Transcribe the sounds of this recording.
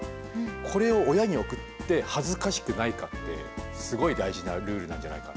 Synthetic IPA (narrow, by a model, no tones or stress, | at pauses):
kʰo̞ɾe̞o̞ːjaɲ̟io̞kɯ̟t̪ːe̞hazɨkaɕi̥kɯ̟naikat̪ːe̞̰ | sɨɡo̞id̪aiʑinaɾɯ̟ːɾɯ̟nã̰ɲ̟d͡ʑa̰na̰ika̰